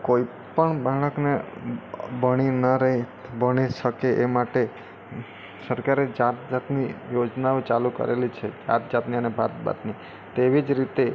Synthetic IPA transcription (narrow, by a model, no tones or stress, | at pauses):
koi | pəɳbʱaɭ̃əkne | bəɽ̃inəɾəɦibəɽ̃iʃəkeʔemaʈe | səɾkaɾed͡ʒat̪̚d͡ʒat̪nijod͡ʒnaot͡ʃalukə̰ɾʔelit͡ʃʰed͡ʒa̰t̪̚d͡ʒat̪niənebʱat̪̚ba̰t̪ni | t̪eʋid͡ʒɾit̪e